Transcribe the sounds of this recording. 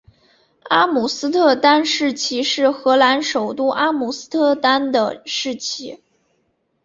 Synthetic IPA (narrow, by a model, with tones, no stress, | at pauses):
a˥mu˨˩sɹ̩˥t̪ʰɤ˥˧t̪a˥nʂɻ̩˥˩t͡ɕʰi˥ʂɻ̩˥˩xɤ˧˥la˧˥nʂo˨˩ʊt̪u˥ʔa˥mu˨˩sɹ̩˥t̪ʰɤ˥˧˩t̪a˥nd̪ə̰˨ʂɻ̩˥˩t͡ɕʰi˥